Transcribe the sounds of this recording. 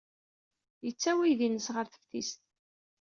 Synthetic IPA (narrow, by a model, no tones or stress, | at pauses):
jət͡sːæwiðinəsʁəɾθə̥fθist̪